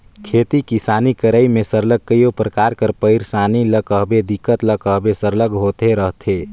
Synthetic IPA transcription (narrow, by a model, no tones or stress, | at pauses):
kʰet̪ikisanikəɾəimesəɾləɡ̚kːəjjopɾəkaɾkəɾpəɪɾsaniləkəɦbed̪ikːət̪ləkəɦbesəɾləɡɦot̪eɾəɦt̪ʰe